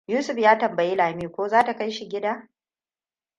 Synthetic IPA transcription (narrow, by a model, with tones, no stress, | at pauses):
juː˦sʊ˨ɸjaː˦tɐ˨mbɐ˨ji˦laː˨miː˦kʷoː˦zaː˦ta˨ka˦jʃi˨ɡʲɪ˦daː˦